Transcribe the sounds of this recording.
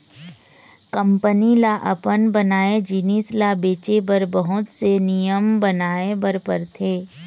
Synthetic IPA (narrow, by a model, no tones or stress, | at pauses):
kə̃mpənilaʔɐpənbənaːed͡ʒinislabeːt͡ʃebəɾbəɦʊt̪senijəmbənaːebəɾpəɾt̪ʰeː